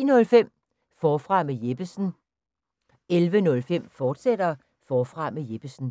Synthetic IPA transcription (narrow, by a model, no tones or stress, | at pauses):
nɔ̽lfem̰ | fɒːfʁɑ̈mejeb̥əsn̩ | elʋənɔ̽lfem̰fɒːd̥sed̥ɐ | fɒːfʁɑ̈mejeb̥əsn̩